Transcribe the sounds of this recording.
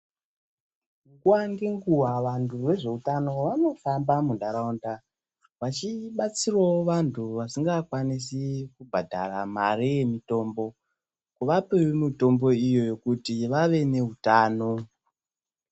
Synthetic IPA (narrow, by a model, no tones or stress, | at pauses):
ukuwaŋɡeŋɡuwaʋantʰure̞ʐe̞utano̞ʋano̞fambamundaɾaunda | ʋat͡ʃiɓat͡sirwaoʋantʰuʋasiŋɡakwanis̬ikubʱadʱa̰ramarijemito̞mbo̞ | kuʋapewemito̞mbo̞ijo̞jo̞kutiʋaʋe̞ne̞utaːno̞